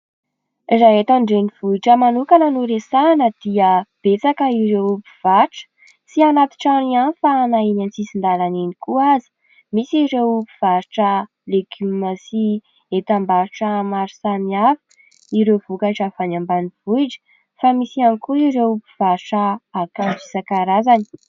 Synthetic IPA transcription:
izaet̪aɳɖ͡ʐeniv̥ujʈ͡ʂəmanukanənuɾesanəd̪iəb̥et͡sakəiɾewupi̥v̥aʈ͡ʂə̥ | sianat̪i̥ʈ͡ʂanianfaːnainant͡sisind̪alaninikuazi̥ | misiɾewupiv̥aɾiʈ͡ʂə | leɡyməsi | et̪ambaɾuʈ͡ʂəmaɾisaniafə̥ | iɾewvukaiʈ͡ʂafanambanivujɖ͡ʐə̥ | famisianikuiɾeupi̥v̥aɾʈ͡ʂəːkand͡ʒisakaɾazani̥

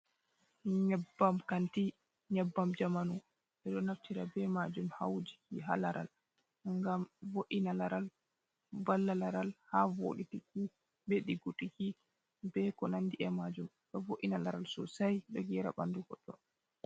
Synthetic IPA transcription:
ɲɛbːamkanti | ɲɛbːamd͡ʒamanu | ɛɗɔnaftiɾabɛmad͡ʒumha̰wd͡ʒikiɦa̰laɾʔa̰l | ŋɡamvoʔinalaɾal | balːalaɾalhavo̰ɗitiki | beɗiɡutiki | bɛkɔnandiʔɛmad͡ʒum | ɗɔvoʔinalaɾalsɔsajɗɔɡɛɾa̰banduɡɔɗɔ

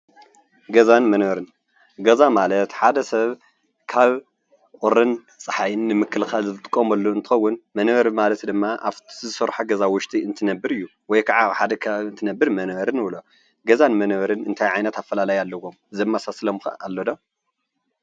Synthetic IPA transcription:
ɡɐzanmɐnβɐɾɨn | ɡɐzamalɐt̪ħad̪ɐsɐβ | kʰaβ | ʔʼʊɾːɨn | sʼɨħajɨnːɨmɨkːɨlxalzɨɨt̪ʼɨkʼːomɐlːoɨnt̪ʰɨ̥xɐwːʊnmɐnβɐɾmalɐt̪d̪ɨmːaʔa̰fzɨsɐɾħaɡɐzawʊʃt̪ʼiɨnt̪ʰɨnɐbːɨɾɨjːu | wɔjkʰaʕaħad̪ɐkʰaβɨnt̪ʰɨnɐbːɨɾmɐnβɐɾɨnɨβlo | ɡɐzanmɐnβɐɾɨnɨnt̪ʰajʕajnɐt̪afːɐlalajalːɐwomɨzɐmːasaslomka̰lːod̪o

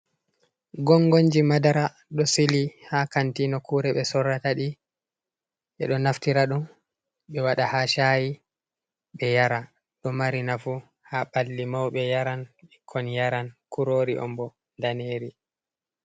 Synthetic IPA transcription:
ɡɔŋɡoɲd͡ʒimadaɾa | ɗɔsilihakantinɔkuːɾɛɓɛsɔrːataɗi | ɓɛ̰ɗɔnaftiɾaɗun | ɓɛwaɗahaʃaji | ɓɛjaɾa | ɗɔmaɾinafu | haɓalːimawɓɛjaɾanɓikʰːɔnjaɾankuɾoːɾḭʔɔ̰mbɔ | ndaneɾi

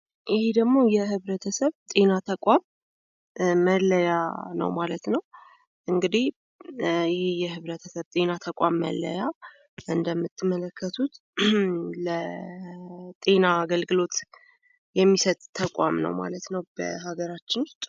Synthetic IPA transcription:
ʔɪhed̪əɡmo̞jɛɦɨβɾət̪ʰəsəβt̪ʼe̞nat̪ʰəkʷʼam | ələjanə̰wmalət̪nəw | ʔɨŋɡɨd̪ih | jɪhejɛɦɨβɾət̪ʰəsəβt̪ʼe̞nat̪ʰəkʼamːə̰lːə̰ja | ʔɨnd̪əmːɨt̪ʰːɨmələkːət̪ʰut̪ | lə | t̪ʼe̞naːɡəlɡɨlo̞t̪ | jɛmːisət̪ʼt̪ʰːəkʷʼa̰mnə̰wma̰lət̪nəwbə̰haɡəɾat͡ʃːɪnʊst̪ʼ

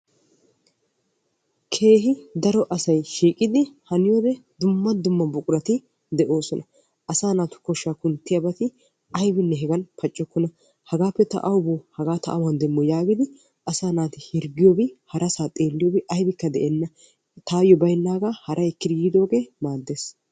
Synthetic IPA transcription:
kʰe̞ːɦɪd̪ɐɾɔʔɐsɐjʃiːkʼɪd̪ɪhɐnɪjoːd̪ɛd̪ʊmːɐd̪ʊmːɐbʊkʼʊɾɐt̪ɪ | d̪ɛʔo̞ːsɔnɐ | ʔɐsaːnaːt̪ʊ̥kɔʃːaːkʊnt̪ːɪjɐbɐt̪ɪ | ɐjbɪnːɛɦɛɡɐnpɐt͡ʃʼːɔkːɔnɐ | hɐɡaːpːɛt̪ɐ̰ʔɐwʊbohɐɡaːt̪ʰɐʔɐwɐnd̪ɛmːɔjaːɡɪd̪ɪ | ʔɐsaːnaːt̪ɪhɪɾɡɪjobɪhɐɾʔɐsaːt̪ʼeːlːɪjoːbɪʔɐjbɪkːɐd̪ɛʔɛnːɐ | t̪ʰaːjɔbɐjnːaːɡaːhɐɾʔɐjɛkːɪd̪jːd̪o̞ːɡeːmaːd̪ːeːs

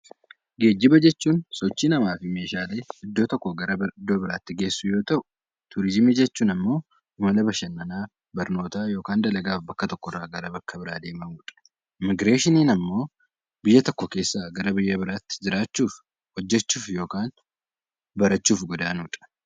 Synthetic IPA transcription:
ɡe̞ːd͡ʒːɪbɐd͡ʒɛt͡ʃːuːnsɔt͡ʃːiːnɐmaːfɪme̞ːʃaːle̞ːɪd̪ːoːt̪ɔkːoɡɐɾɐɪd̪ːo̞ːbɪɾaːt̪ːɪɡe̞ːsːʊjo̞ːt̪ɐʔʊ | t̪ʊɾɪzɪmid͡ʒɛt͡ʃːuːnɐmːo̞ː | ʊmɐlɐbɐʃɐnːɐnaː | bɐɾno̞ːt̪aːjo̞ːkaːnd̪ɐlɐɡaːfbɐkːɐt̪ɔkːɔrːaːɡɐɾɐbɐkːɐbɪɾaːd̪e̞ːmɐmuːᶑ̪ʼɐ̥ | ɪmɪɡɾeːʃɪniːnɐmːo̞ː | bɪjːɐt̪ɔkːɔke̞ːsːaːɡɐɾɐbɪjːɐbɪɾaːt̪ːɪ̥d͡ʒɪɾaːt͡ʃːuːf | hɔd͡ʒːɛt͡ʃːuːfjo̞ːkaːn | bɐɾɐt͡ʃːuːfɡɔd̪aːnuːᶑ̪ʼɐ̥

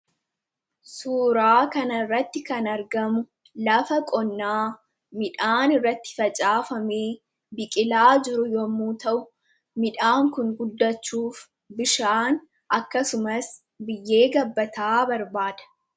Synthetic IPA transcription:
suːɾaːkɐnɐɪrːɐt̪ːɪkɐnɐɾɡɐmʊ | lɐfɐkʼɔnːaː | mɪᶑaːnɪrːɐt̪ːɪ̥fɐt͡ʃʼaːfɐmeː | bɪkʼɪlaːd͡ʒɪɾʊjɔmːuːt̪ɐʔʊ | mɪᶑaːŋkʊŋɡʊd̪ːɐt͡ʃːuːf | bɪʃaːn | ʔɐkːɐsʊmɐs | bɪjːe̞ːɡɐbːɐt̪aːbɐɾbaːd̪ɐ̥

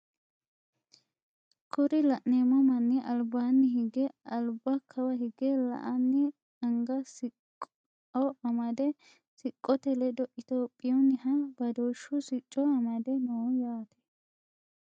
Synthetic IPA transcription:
kʰʊɾɪlɐʔneːmɔmɐnːɪʔɐlbaːnːɪɦɪɡɛɐlbɐkʰɐwɐɦɪɡɛlɐ̰ʔɐnːɪ | ɐŋɡɐsɪ | ɔɐmɐd̪ɛ | sɪkʼːɔt̪ɛlɛd̪ɔʔɪt̪oːpʼːɪjɔnːɪhɐbɐd̪oːʃːʊsɪt͡ʃʼːɔɐmɐd̪ɛnojaːt̪ɛ̥

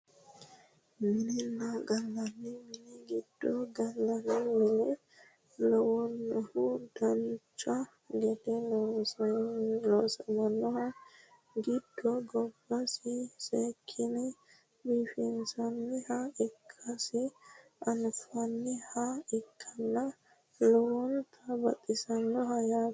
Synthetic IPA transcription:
mɪnɪnːaɡɐlːɐnːɪmɪnɪɡɪd̪̥ːɔɡɐlːɐnɪmɛlɛ | lɔwɔnːɔhʊd̪̥ɐnt͡ʃʼa | ɡɛt̪ɛ | lɔːsɐmɐnːɔhɐ | ɡɪd̪̥ːɔɡɔbːɐsɪsekʰːɪnɛ | biːfɛnsɐnːɪhaɪkʰːɐsɪʔɐnfɐnːɪhaɪkʰːɐnːɐ | lɔwɔnt̪ʰɐbɐt̪ʼːɪsɐnːɔhɐjaː

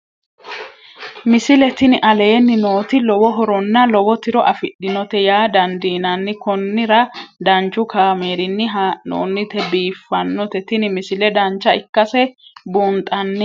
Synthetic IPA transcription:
mɪsɪlɛt̪ɪnɪʔɐle̞ːnːɪno̞ːt̪ɪlɔwɔɦɔɾɔnːɐlɔwɔt̪ɪɾɔʔɐfɪɗːɪnɔt̪ɛjaːd̪ɐnd̪iːnɐnːɪkɔnːɪɾɐd̪ɐnt͡ʃːʊkʰaːmeːɾɪnːɪɦano̰ːnːɪt̪ɛbiːfːɐnːɔt̪ɛt̪ɪnɪmɪsɪlɛd̪ɐnt͡ʃːɐɪkːɐsɛbuːnt̪ʼɐnːɪ

